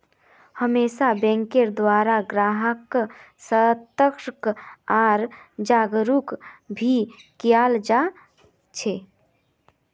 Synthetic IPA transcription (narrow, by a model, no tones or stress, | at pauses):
həmeːsabɛ̃ːŋkeɾd̪waːɾaɡɾaːɦək | sət̪əkʃkaːɾd͡ʒaːɡɾukbʱikijaːld͡ʒa | t͡ʃʰeː